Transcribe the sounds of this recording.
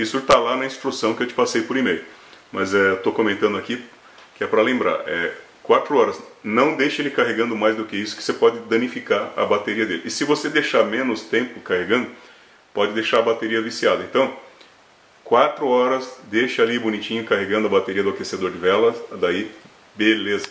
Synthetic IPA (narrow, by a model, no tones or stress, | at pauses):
isʊt̪alanɐĩst̪ɾusɐ̃w̃kɪewt͡ʃɪ̥pasejpoɾimejʊmɐzɛet̪okõmẽnt̪ɐ̃nd̪ʊaki | kɪɛpɾɐlẽmbɾa̰ɾɛ | kwat̪ɾʊɔɾɐznɐ̃w̃d̪ejʃelɪkaɦeɡɐ̃nd̪ʊmajzd̪ʊkeisʊ̥kɪ̥sepɔd͡ʒɪd̪ɐ̃nifikaɾɐ̰bat̪eɾiɐd̪elɪʔːsɪvosed̪ejʃaɾmẽnʊst̪ẽmpʊkaheɡɐ̃nd̪ʊ | pɔd͡ʒɪd̪ejʃaɾɐbat̪eɾiɐvisiad̪ɐẽnt̪ɐ̃w̃ | kwat̪ɾʊɔɾɐzd̪ejʃɐalibunit͡ʃĩɲʊkaɦeɡɐ̃nd̪ʊɐbat̪eɾiɐd̪ʊakesed̪oɾd͡ʒɪvɛlɐsd̪ai | belezɐ